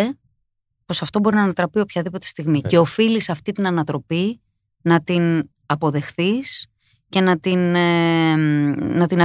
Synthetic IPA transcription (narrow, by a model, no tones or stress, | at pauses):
e | po̞sɐft̪o̞bo̞ɾinɐːnɐt̪ɾɐpio̞pçɐðipo̞t̪e̞st̪iɣmice̞o̞filisɐft̪it̪inɐnɐt̪ɾo̞pi | nɐt̪in | ɐpo̞ðe̞xθis | ce̞nɐt̪in | nɐt̪inɐ